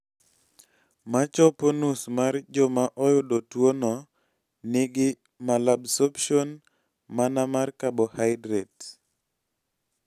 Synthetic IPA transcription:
mat͡ʃɔponusmard͡ʒɔmaʔɔjʊdotwonɔ | nɪɡɪ | malabsɔpʃon | manamarkabɔhaɪdɾɛt

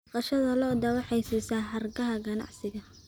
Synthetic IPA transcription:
qɑʃɐðɐlɔːd̪ɐwɑħɛjsiːsaːħɐrɡɐɦɐɡɐnɑ̰ʕsɪɣɐ

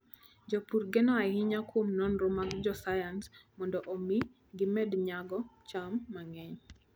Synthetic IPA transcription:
d͡ʒɔpurɡɛnɔhɪɲakwomnɔnɾomaɡd͡ʒɔsajansmɔndɔʔomi | ɡɪmɛdɲaɡɔt͡ʃamːaŋɛɲ

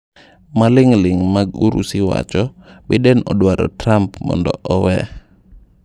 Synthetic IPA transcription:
malɪŋlɪŋmaɡuɾʔṵsɪwa̰t͡ʃɔbɪdɛnɔdwaɾɔ̰tɾampmɔ̰ndɔ̰ʔɔwɛ

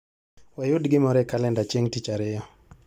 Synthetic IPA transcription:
wajʊdɡɪmɔɾɛkalɛndat͡ʃeŋtit͡ʃaɾɪjɔ

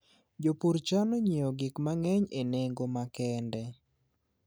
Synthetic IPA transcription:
d͡ʒopuɾt͡ʃanoɲioɡɪkmaŋɛɲeneŋɡomakɛndɛ

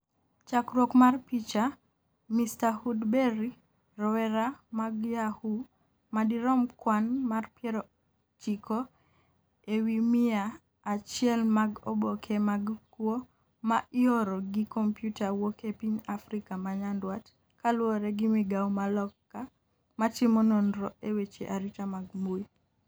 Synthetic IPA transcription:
t͡ʃakɾwɔkmarpit͡ʃa | mistahudbeɾi | rɔwɛɾamaɡjahu | madiɾɔmkwanmarpjɛɾɔ | t͡ʃikʰɔ | ewimɪaː | t͡ʃɪɛlmaɡɔ̰bɔkʰɛmaɡkwɔ | maʔɪɔɾɔɡɪkɔmpjutawokepiɲafɾikamaɲandwat | kalwɔɾɛɡɪmiɡawmalɔkːa | matimɔnondɾɔewet͡ʃḛʔaɾitamaɡmu

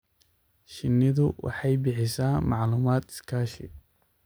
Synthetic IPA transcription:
ʃɪnːɪðʊwɑ̰ħɑjbɪħɪsaːmɑʕluːmaːd̪ɪ̥skʰaːʃɪ̰

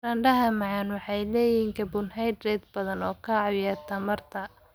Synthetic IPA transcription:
rɐɳɖɐɦɐmɑʕɑnwɑħɑjlɛːjhiːŋkʰɐbʊnɦɑjd̪rɛːd̪̚bɐðɐnɔːkʰɐɑwjaːrt̪ʰɐmɐrt̪ʰɐ

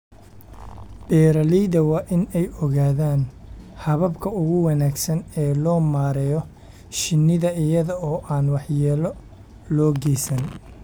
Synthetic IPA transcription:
b̥ɛːɾɐliːðɐwɑːʔɪnɛjɔɣaːðaːnhɐβɐbkʰɐʊɣʊwɑnaːɡsɐnɛːlɔːmaːɾɛjɔ | ʃɪnːɪðɐɪjɐðɐɔːʔaːnwɑħjɛːlɔ | lɔːɡɛsɐn

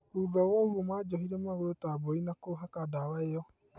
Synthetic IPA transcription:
uːðɔwɔhuomaːd͡ʒɔhiɾɛmaɣoɾotabɔinakoɦakadawaeɔ

